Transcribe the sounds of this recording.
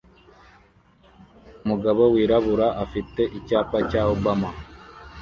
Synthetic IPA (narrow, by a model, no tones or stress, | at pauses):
umuɡaβowiːɾaβuɾaʔafite̞ʔicaːpacaːhobama